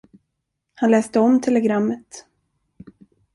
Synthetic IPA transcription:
hanlɛːst̪əɔmt̪ʰɛlɛɡɾamːət̪

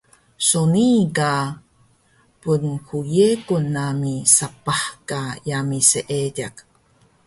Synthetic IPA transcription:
sonika | punxujekunamisapaħkajamiseʔeɟak

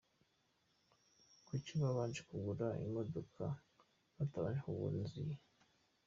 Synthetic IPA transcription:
kuciβaβaːnd͡ʒekuɡuɾaḭmo̞dokʰa | βataβa̰ɲekuβṵɾnzije

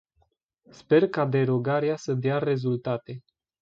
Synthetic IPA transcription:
spe̞rkad̪e̞ɾo̞ɡaɾeasəd̪eare̞zult̪at̪e̞

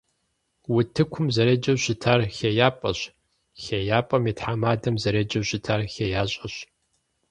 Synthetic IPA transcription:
wʊtʰɨkʷʰʊmzɐɾed͡ʒɐwɕɪtʰaːrxejaːpʼɐɕ | xejaːpʼɐmiːtħamaːdɐmzɐɾed͡ʒɐwɕɪtʰaːrxejaːɕʼɐɕ

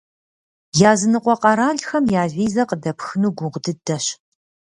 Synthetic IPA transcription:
jaːzɨnɨqʷʼɔqʼɐɾaːɮxɐmjaːvʷiːzɐqədɐpxɨnuːɡʷʊʁdɨdɐɕ

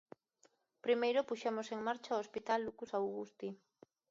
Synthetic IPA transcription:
pɾimejɾopuʃemoseŋmaɾt͡ʃaoespit̪alːukusawɣust̪i

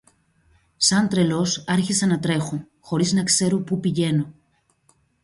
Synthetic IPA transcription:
sɐnt̪ɾe̞lo̞sɐɾçisenɐt̪ɾe̞xo | xo̞ɾiznɐkse̞ɾopupiʝe̞no̞

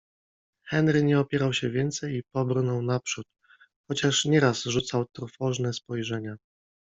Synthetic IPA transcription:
xɛnɾɘɲɛɔpʲjɛɾawɕɛvʲjɛnt̪sɛjipɔbɾnɔwnapʂut̪̚ | xɔt͡ɕaʂɲɛɾasʐut̪sawt̪ɾufɔʐnɛspɔjʐɛɲa

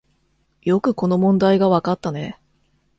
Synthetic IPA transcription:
jo̞kɯ̟ko̞no̞mõ̞nd̪aiɡaβakat̪ːane̞

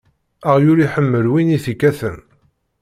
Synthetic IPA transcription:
əʁjʊɾiħəmːəlwiniθikːæθən

